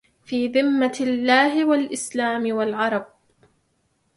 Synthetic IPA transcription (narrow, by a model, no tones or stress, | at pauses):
fiːðɪmːalːaːɦɪwalʔɪslaːmɪwalʕɑɾˤɑb̚